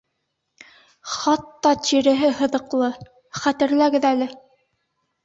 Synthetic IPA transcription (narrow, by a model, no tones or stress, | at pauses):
χɑt̪ːɑt̪iɾɘ̆ɦɘhɤ̆ðɤ̆qlˠɤ | χæt̪ɘ̆ɾlæɡɘðælɘ